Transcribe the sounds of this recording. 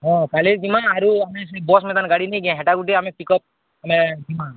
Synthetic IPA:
ɦɔ̃kaleɾd͡ʒimaːɾuamẽsbɔsmɛt̪anɡaɽinejɡɛ̃ɦɛʈakuʈ̬iamẽpikɔp̚ | amed͡ʒimã

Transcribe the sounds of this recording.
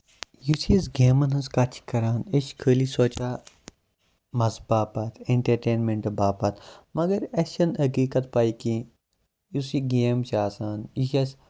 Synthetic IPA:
jusizɡeːmɐnɐskɐt͡ʃʰkɐɾaːneʃkʰəːlisoːt͡ʃaː | mɐzbaːpɐt̪ʰeɳʈɐɾʈeːnmẽɳʈɐbaːpɐt̪ʰmɐɡɐɾeʃɐnhɐkiːkɐt̪̚paːikĩ | jusiɡeːmt͡ʃaːsaːnjisɐs

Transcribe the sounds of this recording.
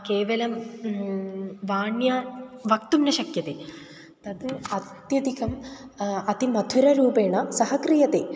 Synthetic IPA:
keːʋɐlɐm | ʋaːɳjaʋɐkt̪umnɐʃɐkjɐt̪e | t̪ɐd̪ɐt̪jɐd̪ikɐm | ɐt̪imɐd̪ʱuɾɐɾuːbeːɳɐsɐɦɐkɾijɐt̪eː

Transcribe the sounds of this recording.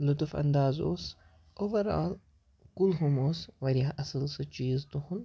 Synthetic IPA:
lut̪fɐ̰nd̪aːzo̰ːs | oːʋɐɾa̰ːl | kulɦumoːsʋɐɾaɦʔɐsəlsɨt͡ʃiːzt̪uhun

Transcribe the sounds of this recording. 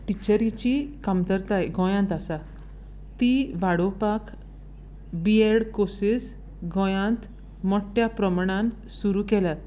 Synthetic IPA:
ʈit͡ɕəɾit͡ɕikamt̪əɾt̪ajɡʱɔ̃jãnt̪asa | t̪iʋaɽopak | bieɽkosis | ɡʱɔ̃jãnt̪ | mɔʈjapɾəmɳãnt̪ | suɾukɛlat̪

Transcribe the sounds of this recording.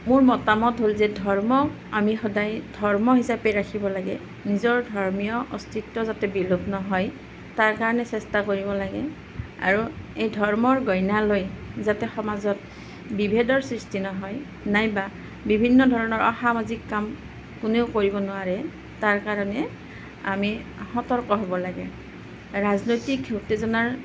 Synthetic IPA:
mʊɹmɔtamɔtɦolzɛdʱɔɹmɔ | amixɔdajd̥ʱɔɹmɔɦisapɛɹakʰibɔlaɡɛ | nizɔɹdʱɔɹmijɔʔɔstʰitːɔzatɛbilopnɔɦɔj | taɹkaɹɔnɛsɛstakoɹibɔlaɡɛ | a̰ɹuejdʱɔɹmɔɹɡɔjnalojzatɛxɔmazɔt | bibʱedɔɹsɹistʰinɔɦɔj | najba | bibʱinːɔdʱɔɹɔnɔɹʔɔxamazikːam | kuneʊkoɹibɔnʊwaɹɛ | taɹkaɹɔnɛ | a̰mihɔtɔɹkɔɦɔbɔlaɡɛ | ɹaznojtikutːezɔnaɹ

